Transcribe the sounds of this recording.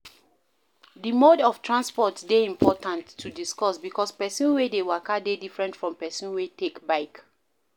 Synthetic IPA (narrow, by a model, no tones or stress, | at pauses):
dimodɔftʰɹãnspɔtdeĩmpʰɔtãntːudiskɔsbikɔspɛsĩnwedewakadedifɹɛ̃ntfɹɔ̃mpɛsĩnwetekbaɪk